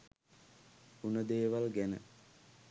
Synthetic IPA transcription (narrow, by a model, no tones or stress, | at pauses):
unəd̪eːʋalɡænə̰